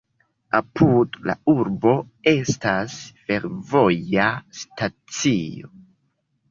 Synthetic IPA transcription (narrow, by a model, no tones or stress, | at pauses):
apudla̰uɾbo̞ | e̞stasfe̞ɾvo̞jastat͡sio̞̰